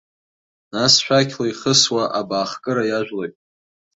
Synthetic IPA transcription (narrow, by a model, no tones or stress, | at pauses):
nasʃᶣakʲʰlaiχəswaʔabaːχkʼɨɾajaʒᶣlojtʼ